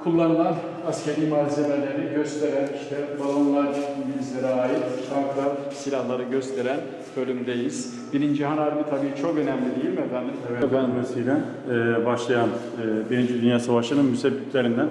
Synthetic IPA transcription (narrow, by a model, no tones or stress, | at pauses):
kʰulˠːanɯlˠan | ascʰʲeɾiːmaːzemelʲeɾiɟøst̪ʰeɾæniʃt̪ʰɛbalˠonlˠaɾɾʃibizlʲeɾɛaːjit̪t̪ʰɾaŋkɾa | silʲahlˠaɾɯɟøst̪ʰeɾæn | bø̞lʲymd̪ejiz̥ | biɾind͡ʒiɦanaɾmit̪ʰabiːt͡ʃʰo̞kø̞næmlʲid̪ejilʲmɛbænd̪ibɛbænmɛsijlʲænː | baʃlˠajanː | biɾind͡ʒid̪ynjaːsavaʃlˠanɯnmysebːit̪ʰlʲeɾind̪æn